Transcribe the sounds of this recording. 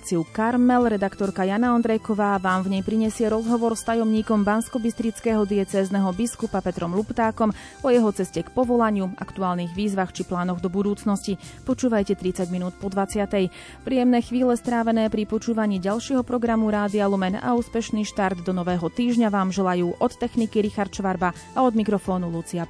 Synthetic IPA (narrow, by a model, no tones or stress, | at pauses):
t͡siukaɾmɛlɾɛd̪akt̪ɔɾkajanaɔnd̪ɾɛjkɔʋaːʋaːmvɲɛjpɾiɲɛsɪɛɾɔzɦɔʋɔɾst̪ajɔmɲiːkɔmbanskɔbist̪ɾit͡skɛːɦɔd̪iɛt͡sɛːznɛɦɔbiskupapɛt̪ɾɔmlupt̪aːkɔm | pɔjɛɦɔt͡sɛscɛkpɔʋɔlaɲɪuʔa̰kt̪uaːlniːɣʋiːzʋaxt͡ʃiplaːnɔɣd̪ɔbud̪uːt͡snɔscipɔt͡ʃuːʋajcɛt̪ɾit͡saɟminuːt̪pɔd̪ʋat͡sɪat̪ɛj | pɾijɛmnɛːxʋiːlɛst̪ɾaːʋɛnɛːpɾipɔt͡ʃuːʋaɲiːɟalʃɪɛɦɔpɾɔɡɾamuɾaːd̪ialumɛna̰uːspɛʃniːʃt̪aɾd̪ːɔnɔʋɛːɦɔt̪iːʒɲaʋaːmʒɛlajuːʔɔt̪ːɛxnikiɾixaɾt̪ʃʋaɾbaaɔd̪mikɾɔfɔːnulut͡sia